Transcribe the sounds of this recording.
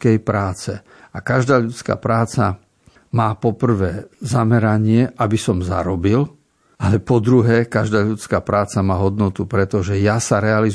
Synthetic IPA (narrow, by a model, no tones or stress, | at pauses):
kɛjpɾaːt͡sɛ | akaʒd̪aːʎut͡ska̰ːpɾaːt͡sa | maːpɔpr̩ʋɛːzamɛɾaɲɪɛʔabisɔmza̰ɾɔbil | alɛpɔd̪ɾuɦɛːkaʒd̪aːʎut͡skaːpɾaːt͡samaːɦɔd̪nɔt̪upɾɛt̪ɔʒɛjasaɾɛaliz